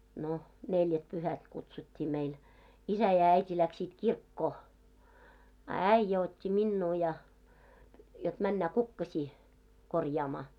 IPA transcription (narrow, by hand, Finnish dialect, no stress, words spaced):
no neljætpyhæt kutsutʲːiː meil isæ jɑ æitʲi læksit kirkːoː ɑ æĭjːæ otʲːi minːuː jɑ jot mænːæ kukːɑsʲiː korjɑːmɑː